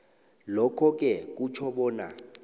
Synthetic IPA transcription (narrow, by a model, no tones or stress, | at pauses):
lɔkʰɔk̬ʼɛk̬ut͡ʃʰɔɓɔːna̰